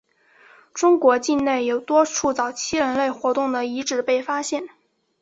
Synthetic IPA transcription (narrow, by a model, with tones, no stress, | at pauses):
ʈ͡ʂʊ˥ŋkwɔ˧˥t͡ɕi˥˧nne˥˩ɪjo˨˩ʊt̪wɔ˥ʈ͡ʂʰu˥˩t͡sɑ˨˩ʊt͡ɕʰi˥ɻə˧˥nle˥˩ɪxwɔ˧˥t̪ʊ˥˩ŋd̪ə˩i˧˥ʈ͡ʂɻ̩˨˩pe˥˩ɪfa˥ɕjɛ˥˩n